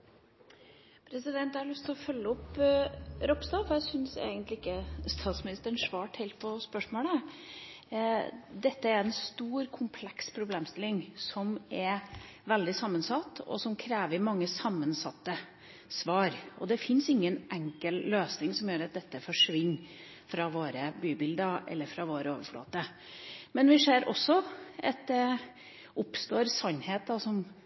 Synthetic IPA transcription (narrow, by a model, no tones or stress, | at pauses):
pʰɾɛsɪd̪ɛnt̪æɾɑɭʉst̪ʰɪlɔfœlːəɔp | ɾɔpsd̪ɑːfɔɾjæɪsʏnsḛːɡənt̪lɪɪkːəst̪ʰɑːt̪smɪnɪst̪əɳʂʋɑːʈhɛɪlt̪̚pʰɔspœʂmoːlə | d̪ɛt̪ːəɛɾɛnst̪uːɾkʰʊmpʰlɛkspʰɾʊbleːmst̪ɪlɪŋsɔmɛɾ | ʋɛld̪ɪsɑmːənsɑt̪ːɔ̰sɔmkʰɾeːʋəɪmɑŋːəsɑmːənsɑt̪ːə | sʋɑːɾɔ̰d̪ɛfɪnsɪŋːənʔɛŋkəlløːsnɪŋsɔmjøːɾɑt̪̚d̪ɛt̪ːəfɔʂʋɪnː | fɾɑʋoːɾəbyːbɪld̪əɾɛ̰lːəɾfɾɑʋoːɾəoːʋəfɭo̰ːt̪ə | mɛnʋɪseːɾɔsːɔʔɑt̪̚d̪ɛ | ʊpst̪oːɾsɑnːheːt̪̚d̪ɑsɔm